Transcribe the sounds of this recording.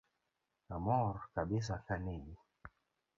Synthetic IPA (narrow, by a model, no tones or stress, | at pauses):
amɔɾkaɓis̬akaneɗi